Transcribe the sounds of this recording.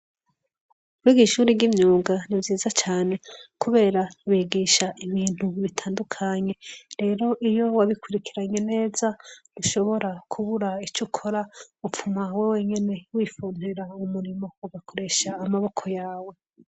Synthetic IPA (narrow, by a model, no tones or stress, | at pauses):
uɾiɡiʃuːɾiɟimɲuːɡanivjiːzat͡ʃaːne̞kuβe̞ːɾaβiɡiʃaʔiβiːn̥uβitʰaːndukʰaɲe̞ɾe̞ːɾo̞ʔijo̞waβikuɾikiɾaɲe̞ne̞ːzaduʃo̞βo̞ɾakʰuβuɾait͡ʃukʰoɾaup͡fumawewe̞ɲe̞ne̞wiːfuːneɾaumuɾimo̞uɡakʰo̞ɾe̞ʃaːmaβo̞kʰo̞jaːwe̞